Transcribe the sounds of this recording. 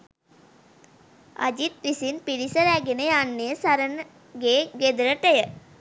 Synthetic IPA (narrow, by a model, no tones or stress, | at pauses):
ɐ̰d͡ʒit̪̚ʋisinpiɽisəɾæɡenəjanːejəsaɾən | ɡeːɡed̪ɾəʈəjə